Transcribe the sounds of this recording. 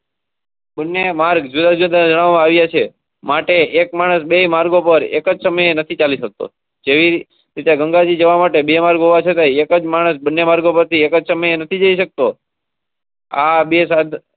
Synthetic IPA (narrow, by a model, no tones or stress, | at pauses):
bənːemaɾɡd͡ʒud̪ad͡ʒund̪nad͡ʒəɽ̃aʋmãaʋjat͡ʃʰe | maʈeːkmaɽ̃əsbemaɾɡopəɾḛkəd͡ʒsəməjenət̪ʰit͡ʃaliʃək̚t̪o̰ | d͡ʒeʋi | ɾit̪aɡəŋɡad͡ʒid͡ʒəʋamaʈebemaɾɡɦoʋat͡ʃʰet̪ajekəd͡ʒmaɽ̃əsbənːemaɾɡopəɾt̪ʰiekəd͡ʒsəməjenət̪ʰid͡ʒəiʃək̚t̪o | abesad̪